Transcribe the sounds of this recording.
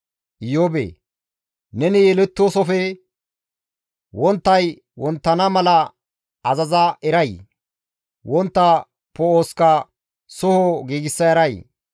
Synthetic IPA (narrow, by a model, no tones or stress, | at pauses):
ʔɪjoːbḛː | nɛnɪjɛlɛt̪ːoːsɔfɛ | wɔnt̪ːɐj | wɔnt̪ːɐnɐmɐlɐ | ɐzɐzɐʔɛɾɐj | wɔnt̪ːɐ | pɔoːskɐ | sɔhɔɡiːɡɪsːɐjɐɾɐj